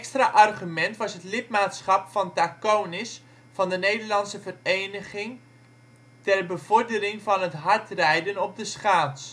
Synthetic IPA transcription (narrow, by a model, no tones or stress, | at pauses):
ɛkstraʔɑrχymɛntʋɑsɦətlɪtmaːtsχɑpfɑntakownɪs | fɑndənejdəɹlɑnsəvərejnəχɪŋ | tɛrbəv̥ɔɹdərɪŋvɑnɦətɦɑɹtrɛjdənɔp̚dəsχaːs